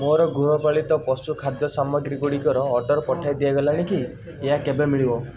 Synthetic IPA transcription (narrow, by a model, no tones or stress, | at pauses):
moɾɔɡʱuɾɔpaɭit̪ɔpɔsukʰad̪jɔsamɔɡɾiɡuɽikɔɾɔːɖɔɾpɔʈʰajd̪iaɡɔlaɽ̃iki | eɦakebemiɭibɔ